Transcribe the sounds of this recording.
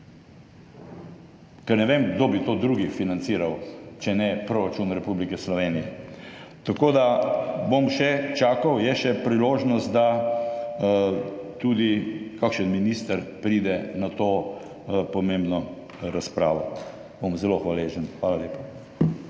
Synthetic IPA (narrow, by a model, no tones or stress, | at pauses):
kɛɾnɛʋeːmɡd̪oːbit̪oːd̪ɾuːɡifinant̪siːɾawt͡ʃɛnɛpɾoɾat͡ʃunɾɛpublikɛslɔʋeːnijɛ | t̪akoːd̪abomʃɛt͡ʃaːkawjɛʃɛpɾiloːʒnɔst̪̚d̪a | t̪uːd̪ikakʃənminist̪əɾpɾiːd̪ɛnat̪o | pɔmembnɔ | ɾaspɾaːʋɔ | bomzɛloxʋaleʒənxʋaːlaleːpa